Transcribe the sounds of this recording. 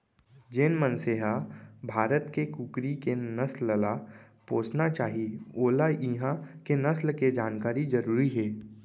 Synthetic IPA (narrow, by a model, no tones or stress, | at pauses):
d͡ʒeːnmənseɦabʱaːɾət̪kekukɾikenɐsləla | poːt͡ʃnat͡ʃaːɦioːlaʔiɦãkenɐslked͡ʒaːnkaːɾid͡ʒɐɾuːɾiɦɛː